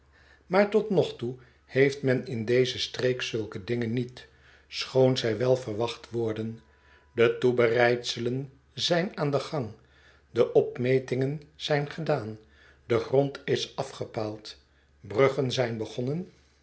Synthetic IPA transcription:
maːɹtɔtnɔχtu | hejftmɛnɪndejzəstreːksɵlˠkədɪŋənːit | sχownzɛjʋɛlˠvəɹʋɑχtʋɔɹdən | dətubərɛjtsələn | zɛjnaːndəχɑŋ | dəʔɔpmejtɪŋənz̥ɛjnχədaːn | dəχrɔntɪsɑfχəpaːlˠt | brɵχənzɛjnbəχɔnən

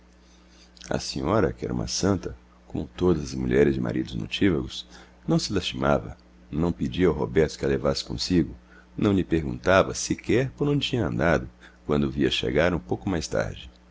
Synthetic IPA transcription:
ɐ̰sĩɲɔɾɐ̰kɪɛ̰ɾɐṵ̃mɐ̰sɐ̃nt̪ɐ | kõ̰mʊt̪od̪ɐzɐzmṵʎɛɾɪzd͡ʒɪma̰ɾid̪ʊzno̰t͡ʃivɐɡʊsnɐ̃w̃sɪlast͡ʃimavɐ̰ | nɐ̃w̃ped͡ʒiɐawɦobɛɾt̪ʊ̥kɪɐlevasɪ̥kõ̰siɡʊ | nɐ̃w̃ʎɪpeɾɡṵ̃nt̪avɐsɪkɛɾpoɾnɐ̃w̃t͡ʃĩɲɐɐ̃nd̪ad̪ʊkwɐ̃nd̪ʊviɐʃḛɡaɾũpowkʊmajst̪a̰ɾd͡ʒɪ

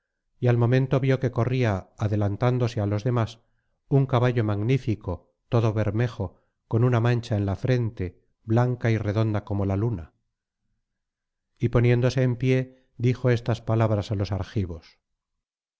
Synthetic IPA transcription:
ialmo̞mẽ̞nt̪o̞βjo̞ke̞ko̞riaːðe̞lant̪and̪o̞sealo̞zðe̞mas | uŋkaβaʎo̞maɣnifiko̞ | t̪o̞ðo̞βe̞ɾme̞xo̞ | ko̞nunamãnt͡ʃaenlafɾe̞nt̪e̞ | blaŋkaire̞ðo̞nd̪ako̞mo̞laluna̰ | ipo̞njẽ̞nd̪o̞se̞ːmpje̞ | ðixo̞e̞st̪aspalaβɾasalo̞saɾxiβo̞s

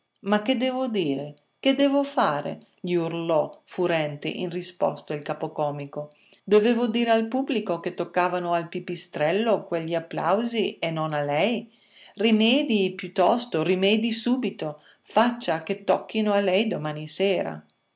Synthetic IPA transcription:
makːed̪ɛːvod̪iːɾe | ked̪ɛːvofaːɾḛ | ʎiurlɔfuɾɛnt̪ḛʔinrispɔ̰st̪oilkaːpokɔːmiko | d̪oveːvod̪iːɾealpublikoket̪ːokːaːvanoalpipist̪ɾɛlːokweʎːiapːla̰wzienonalɛj | rimɛːd̪ipjut̪ːɔst̪orimɛːd̪isuːbit̪o | fat͡ʃːaket̪ːɔkːinoalɛjd̪omaːniseːɾa̰

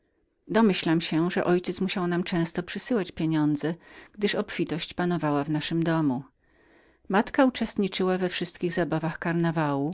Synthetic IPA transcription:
d̪ɔmɘɕlamɕɛʐɛ̰ʔɔjt͡ɕɛt̪smuɕawnamt͡ʂɛ̃w̃st̪ɔpʂɘsɘwat͡ɕpʲjeɲɔnd̪zɛɡ̥d̪ɘʂɔpfʲit̪ɔɕt͡ɕpanɔvawavnaʂɘmd̪ɔmu | mat̪kaut͡ʂɛst̪ɲit͡ʂɘwavɛfʂɘst̪kʲiɣzabavaxkaɾnavawu

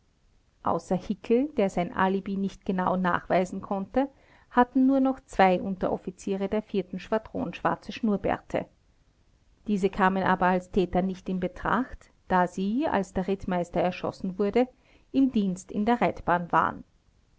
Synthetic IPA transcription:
ʔa̰ʊsɐhɪkʰl̩d̥eːɐzaɪnʔa̰libinɪçt̚ɡ̥ənaʊna̰ːχv̥aɪzn̩kʰɔntə | hatn̩nuːɐnɔχt͡sv̥aɪʔʊntɐ̰ʔɔ̰fit͡siːʁədeːɐfiːɐtn̩ʃv̥adʁo̰ːnʃv̥a̰ɐt͡səʃnuːɐbɛ̰ɐtʰə̰ | d̥iːzəkʰaːmənʔa̰ːbɐalstʰɛːtɐnɪçtɪnbətʁ̥a̰xt | d̥aːziːa̰lsd̥eːɐʁɪtmaɪstɐɛɐʃɔ̰sn̩vʊɐdə | ʔɪmdiːnstɪ̰ndeːɐʁɛtb̥aːnva̰ːə̰n

